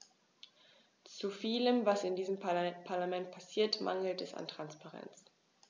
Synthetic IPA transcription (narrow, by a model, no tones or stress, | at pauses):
t͡sufiːləmvasɪndiːzəmpʰaɐlamɛnt̚pʰasiːɐtma̰ŋl̩tɛsa̰ntʁ̥anspaʁɛ̰nt͡s